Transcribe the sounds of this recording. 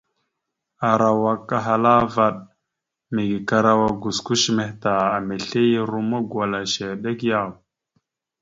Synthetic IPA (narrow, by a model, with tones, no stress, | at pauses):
a˨ɾa˨wa˨kːa˦ɦa˨la˦va˦˨ɗ | mi˨ɡi˨ka˨ɾa˦wa˨ɡu˨sku˦ʃme˨hta˨a˨me˨ɬe˦ji˦ɾu˦ma˦ɡwa˨la˨ʃe˨ɗe˦kja˦˨w